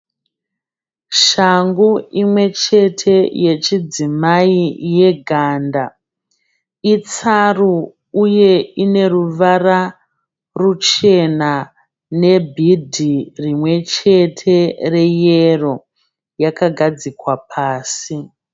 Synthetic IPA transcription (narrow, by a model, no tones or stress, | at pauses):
ʃaŋɡuimwe̞t͡ʃe̞tʰe̞je̞t͡ʃid͡zimaije̞ɡʱaːnda | it͡saru | uje̞ine̞ruʋara | rut͡ʃe̞na | ne̞bʱidʱirimwe̞t͡ʃe̞tʰe̞rejero̞ | jakaɡʱad͡zikwapʰaːsi